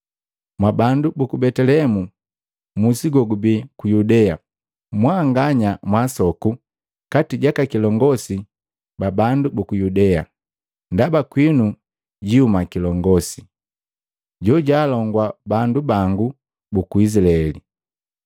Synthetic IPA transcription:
mwabandubukubɛtɛlɛmu | musiɡɔɡubikujudɛa | mwaŋɡaɲamwasɔku | katiɟakakilɔŋɡɔsi | babandubukujudɛa̰ | ndabakwinu | ɟiumakilɔŋɡɔsi | ɟɔɟaːlɔŋɡwabandubaŋɡu | bukuis̬ilaɛli

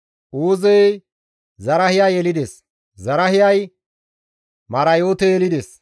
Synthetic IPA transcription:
ʔoːzɛj | zɐɾɐhɪjajɛlɪd̪es | zɐɾɐɦɪjɐj | mɐɾɐjoːt̪ɛjɛlɪd̪es

